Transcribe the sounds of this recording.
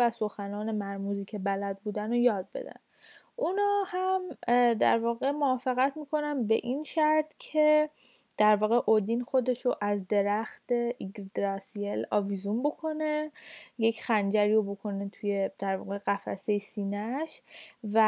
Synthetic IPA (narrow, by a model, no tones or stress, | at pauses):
æso̞xænɒːne̞mæɾmuziːcʰe̞bælæd̪̚buːd̪ænojɒːd̪̚bḛd̪æ̰n | ʔunɒːhæmd̪æ̰ɾvɒːɣe̞moɒːfeɣæt̪ʰmiːkʰo̞nænbe̞̰ʔinʃæɾt̪cʰe̞ | d̪̥æɾvɒːɣe̞ʔod̪inxo̞d̪e̞ʃoʔæzd̪e̞ɾæxt̪e̞ʔiɡɾd̪ɾɑsielɒ̰vizunbo̞kʰo̞nejecʰxænd͡ʒæɾiːɾobo̞kʰo̞ne̞t̪ʰuje̞d̪æɾvɒ̰ːɣe̞ɣ̥æfæ̰se̞jsiːnæʃvæ